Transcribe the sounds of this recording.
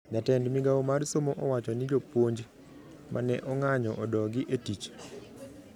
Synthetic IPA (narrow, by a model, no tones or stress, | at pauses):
ɲatɛndmɪɡaomarsomoʔɔwat͡ʃɔnɪd͡ʒopwoɲd͡ʒ | mʔa̰nɛ̰ʔɔŋaɲɔʔɔdɔɡɪʔetit͡ʃ